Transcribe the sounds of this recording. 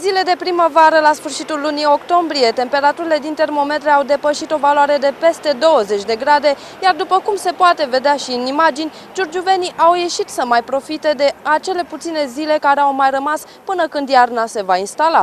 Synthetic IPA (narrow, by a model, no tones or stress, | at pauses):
zile̞d̪e̞pɾiməvaɾəlasfɨrʃit̪ulːunio̞kt̪o̞mbɾije̞t̪e̞mpe̞ɾat̪uɾile̞d̪int̪e̞rmo̞me̞t̪ɾeawd̪e̞pəʃit̪o̞valoaɾe̞d̪e̞pe̞st̪e̞d̪o̞wəze̞t͡ʃʲd̪e̞ɡɾad̪e̞ | jard̪upəkumse̞poat̪e̞ve̞d̪eaʃiɨnimad͡ʒinʲ | d͡ʒurd͡ʒuve̞niʔawje̞ʃit̪səmajpɾo̞fit̪e̞d̪e̞at͡ʃe̞le̞put̪sine̞zile̞kaɾeawmajrəmas | pɨnəkɨnd̪jarnase̞vainst̪ala